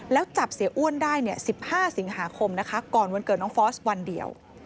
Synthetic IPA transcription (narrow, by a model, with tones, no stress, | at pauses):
lɛː˦˥wt͡ɕa˨˩p̚si˩˦ʔu˥˩əndaː˥˩jni˥˩əsi˨˩p̚haː˥˩si˩˦ŋɦaː˩˦kʰo˧mna˦˥kʰa˦˥kɔː˨˩nwu˧nkɤː˨˩nɔː˦˥ŋfɔː˦˥swa˧ndḭ˧ə̰w